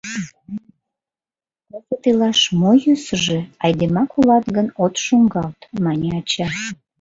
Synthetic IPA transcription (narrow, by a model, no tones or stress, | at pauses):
ozet̪ilɑʃmojysəʒeɑjd̪emɑkulɑt̪ɡənot̪ʃoŋɡɑlt̪mɑnʲeɑt͡ɕɑ